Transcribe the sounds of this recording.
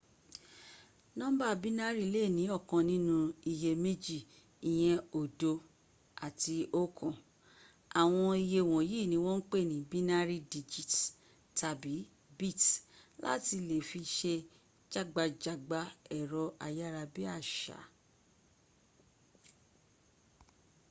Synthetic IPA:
nɔ̃˦ba˦˧bi˦na˦ɾi˦˧le˦˨nĩ˨˦ɔ˦˨kã˨nĩ˦nũ˧i˧je˧me˦d͡ʒi˦˨ | i˨j̃ɛ̃˧o˨do˧ | a˨ti˧o˦kʰɔ̃˨ | a˨w̃ɔ̃˧i˧je˧˨w̃ɔ̃˨jiː˦˨nĩ˧˦w̃ɔ̃˦n̩˦k͡pe˦˨nĩ˨bi˦na˦ɾi˦di˧d͡ʒi˨t | ta˧bi˨˦ | bi˦˨tla̰˦ti˧le˨fi˧ʃe˧ | d͡ʒa˦ɡ͡ba˧d͡ʒa˦˨ɡ͡ba˧˦ɛ˨ɾɔ˧ʔa˧ja˦ɾa˧bi˦a˦˨ʃa̰˨˦

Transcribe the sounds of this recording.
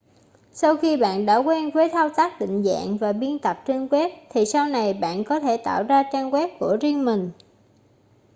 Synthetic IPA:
sa˧wxi˧ɓa̰ː˧˨nɗa̰ː˧˥kwɛ˧nvəː˨˦jt̪ʰa˧wt̪aː˦˥k̚ɗḭ̈˧˨ŋ̟za̰ː˧˨ŋvaː˨˩ɓi˧ənt̪ə˨˩p̚t͡ɕɨ˧ŋkwɛ˦˥p̚t̪ʰi˨˩sa˧wna˨˩jɓa̰ː˧˨nkɔ˨˦t̪ʰe˧˩t̪a̰ː˧˨wzaː˧t͡ɕaː˧ŋkwɛ˦˥p̚ku˧˩əzi˧əŋmï˨˩ŋ̟

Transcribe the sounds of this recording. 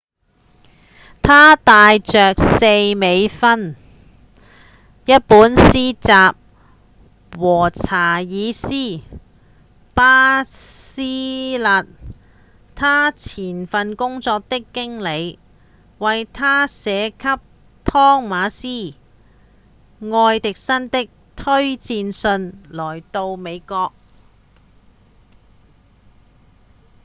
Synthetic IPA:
t̪ʰaː˥t̪aː˨˧jt͡ʃœː˨k̚se˧jme˨˧jfɐ˥n | jɐ˥t̚puː˨˥nsiː˥t͡saː˨p̚ | wɔː˨˩t͡sʰaː˨˩jiː˨˧siː˥ | paː˥siː˥la˨˧t̚ | t̪ʰaː˥t͡sʰiː˨˩nfɐ˨˧nkʊ˥ŋt͡sɔː˧k̚t̪ɪ˥kːɪ˥ŋle˨˧j | wɐ˨jt̪ʰaː˥sɛː˨˧kʰɐ˥p̚ | t̪ʰɔː˥ŋmaː˨˧˥siː˥ | ŋɔː˧jt̪ɪ˨k̚sɐ˥nt̪ɪ˥k̚t̪ʰɵ˥ɥt͡siː˧nsɵ˧nlɔː˨˩jt̪o˧wme˨˧jkɔː˧k̚

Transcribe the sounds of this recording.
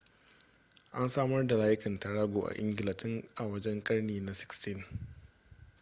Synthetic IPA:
ʔa˦nsaː˦mɐ˦rda˨laː˦jɪ˦kɐ˨ntɐ˨ɽaː˦ɡʷoː˨ʔa̰˨ʔɪ̰˦ŋɡɪ˨lɐ˨tɪ˦ŋʔa˨wɐ˦d͡ʒɛ˦ŋkʼɐ˦ɽneː˨na˨sɪ̥˦kstɪ˦n

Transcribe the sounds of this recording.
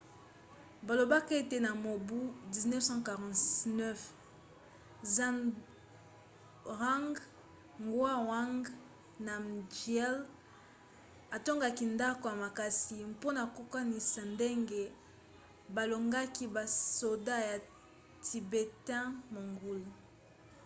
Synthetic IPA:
ba˨lo˨ba˦ke˦te˨na˨mo˨bu˦di˨znɛ˦fsɑ̃˦ka˨ʁɑ̃˨tnɛ˦f | zã˦˨n | ʁa˦ŋɡ | ŋɡwa˦wa˦ŋɡ | na˨md͡ʒjɛ˦l | a˨to˦ŋɡa˦ki˨nda˦ko˨ja˨ma˨ka˨si˨mpo˦na˨ko˦ka˦ni˨sa˨nde˦ŋɡe˦ | ba˨lo˨ŋɡa˦ki˦ba˨so˨da˦ja˨ | tʰi˨be˨tɛ̃˦mo˨ŋɡu˦l

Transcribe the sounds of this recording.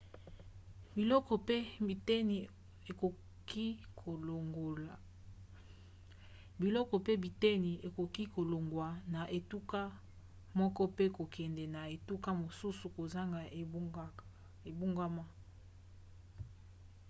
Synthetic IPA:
bi˨lɔ˦kɔ˨pe˦i˨te˦ni˨ | e˨ko˨ | ki˦kʰo˨lo˨ŋɡo˨la˨ | bi˨lɔ˦kɔ˨pe˦bi˨te˦ni˨e˨ko˨ki˦ko˨lo˨ŋɡwa˨na˨ʔe˨tu˦ka˦ | mɔ˦kɔ˦pe˦ko˨kʰɛ˨ndɛ˨na˨e˨tu˦ka˦mo˨su˦su˨ko˨za˦ŋɡa˨˦ | e˨bu˦ŋɡa˦ma˦

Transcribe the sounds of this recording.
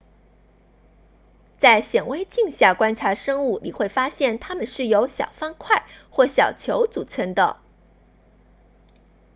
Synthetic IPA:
t͡sa˥˩ɪɕjɛ˨˩nwe˥ɪt͡ɕi˥˧ŋɕja˥˩kwa˥nʈ͡ʂʰa˧˥ʂɤ˥ŋu˥˩lḭ˨˩xwe˥˩ɪfa˥ɕjɛ˥˩nt̪ʰa˥mə˨nʂɻ̩˥˩jo˧˥ʊɕjɑ̰˨˩ʊfa˥nkʰwa˥˩ɪxwɔ˥˩ɕjɑ˨˩ʊt͡ɕʰjo˧˥ʊt͡su˨˩t͡sʰə˥nd̪ə̰˨

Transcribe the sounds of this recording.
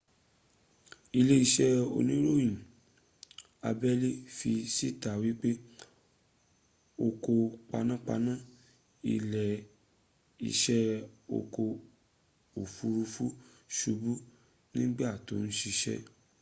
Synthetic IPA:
i˧le˦i˧ʃɛ˦o̰˧nĩ˦ɾo˦˨jĩ˨ | a˧bɛ˦le˦fi˧si˦˨ta˨wi˦k͡pe˦ | o˧ko˧k͡pa˧nã˦k͡pa̰˧nã˦ | ḭ˧lɛ˨ | ḭ˧ʃɛ˦o̰˧ko˧ | o˨fu˨˦ɾu˧fu˦ | ʃu˧bu˦ | nĩ˦ɡ͡bɛ˦a˦˨to̰˨˦ñ̩˦ʃi˧ʃɛ̰˦

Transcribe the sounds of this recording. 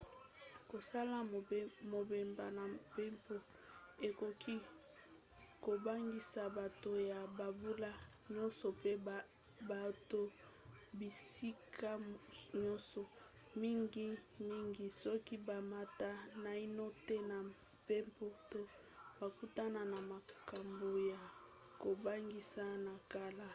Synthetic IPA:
ko˨sa˦la˦mo˨be˨mba˨na˨pe˦mpo˨ | e˨ko˨kʰi˦ | ko˨ba˦ŋɡi˨sa˨ba˨to˨ja˨ba˨bu˦la˦ | ɲɔ˦nsɔ˨pe˦ | ba˨to˨ | bi˨si˦kʰa˦ɲɔ˦nsɔ˨ | mi˦ŋɡi˦mi˦ŋɡi˨sɔ˦ki˦ba˨ma˦ta˦na˨i˦no˦te˦na˨ | pe˦mpo˦to˦ | ba˨ku˦ta˦na˨na˨ma˨ka˨mbo˨ja˨ | ko˨ba˦ŋɡi˨sa˦na˨ka˦la˦

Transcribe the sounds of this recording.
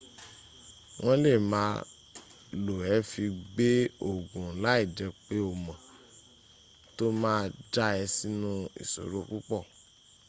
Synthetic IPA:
w̃ɔ̃˦le˦˨mãː˦ | lo˨ɛ˨˦fi˧ɡ͡be˦o˦˨ɡũ˨la˦i˦˨d͡ʒɛ˧k͡pe˦o˨mã˨ | to˦mãː˦˧d͡ʒa˦ɛ˧si˦nũ˦ḭ˨so̰˨ɾo˦ku˦k͡pɔ˦˨

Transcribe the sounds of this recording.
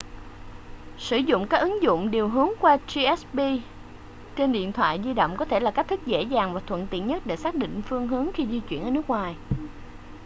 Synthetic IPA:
sɨ˧˩zʊ̰˧˨ŋ͡mkaː˦˥k̚ʔɨ˨˦ŋzʊ̰˧˨ŋ͡mɗi˨˩wɦɨ˨˦əŋkwaː˧zi˧ɛ˦˥sɓi˧ | t͡ɕe˧nɗḭ˧˨ənt̪ʰwa̰ː˧˨jzi˧ɗo̰˧˨wŋ͡mkɔ˨˦t̪ʰe˧˩laː˨˩ka˦˥k̚t̪ʰɨ˦˥k̚zḛ˧˥zaː˨˩ŋvaː˨˩t̪ʰwə̰˧˨nt̪ḭ˧˨ənɲə˦˥t̚ɗe˧˩saː˦˥k̚ɗḭ˧˨ŋ̟fɨ˧əŋɦɨ˨˦əŋxi˧zi˧t͡ɕwḭ˧ənʔəː˨˩nɨ˦˥ək̚ŋwaː˨˩j

